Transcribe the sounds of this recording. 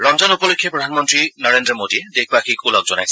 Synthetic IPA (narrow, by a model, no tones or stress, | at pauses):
ɹɔŋzɔnupɔlojkʰːjɔpɹɔdʱanmɔntɹinɔɹendɹɔmodidekʰbakʰikulɔk̚zɔnajs